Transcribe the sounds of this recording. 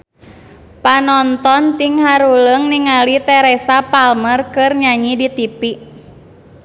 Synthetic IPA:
panɔnt̪ɔnt̪iŋɦaɾuləŋniŋalit̪ɛɾɛsapalmərkɨrɲaɲidit̪ipi

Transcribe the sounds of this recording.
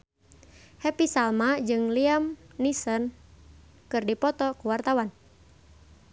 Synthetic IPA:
hɛpisalmad͡ʒɨŋliamnisɔn | kɨrdipɔt̪ɔkuwart̪awan

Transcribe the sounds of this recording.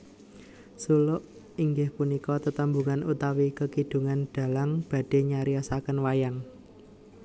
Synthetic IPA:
sulʊʔ | iŋɡɪhpunikɔt̪ət̪əmbuŋanut̪awikəkid̪̥ṳŋanɖ̪̥a̤laŋb̥a̤ɖ̥e̤ɲaɾiasakənwajaŋ

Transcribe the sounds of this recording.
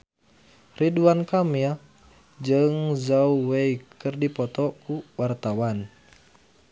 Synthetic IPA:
riduankamia | d͡ʒɨŋzauweikɨrdipɔt̪ɔkuwart̪awan

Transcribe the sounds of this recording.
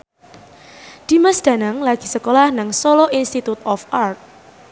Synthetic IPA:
d̥i̤məsd̥anaŋlaɡ̥i̤səkolahnaŋsoloʔinst̪it̪ut̪ɔfart̪̚

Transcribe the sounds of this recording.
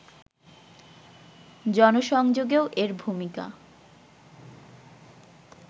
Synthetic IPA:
d͡ʑɔnoʃɔŋd͡ʑoɡeoʔeɾbʱumika̰

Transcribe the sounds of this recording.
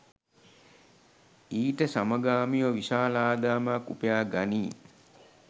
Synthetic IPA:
iːʈəsaməɡaːmiʋəʋisaːlaːd̪aːmakːupejaːɡaniː

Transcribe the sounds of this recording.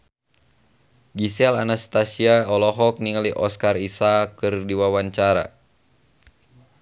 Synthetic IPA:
ɡisɛlanast̪asiaɔlɔɦɔk̚niŋaliʔɔskarisakɨrdiwawaɲt͡ʃaɾa̰

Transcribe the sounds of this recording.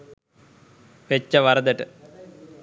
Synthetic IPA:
ʋet͡ɕːɐʋɐɾɐd̪ɐʈːɨ

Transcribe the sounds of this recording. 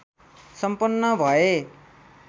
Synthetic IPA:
sʌmpʌnːʌbʱʌe

